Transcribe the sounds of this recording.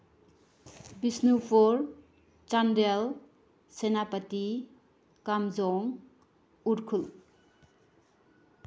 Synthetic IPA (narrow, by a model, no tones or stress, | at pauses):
bisnupʰɔɾ | t͡ʃandel | senapɐti | kamzɔŋ | uɾkʰul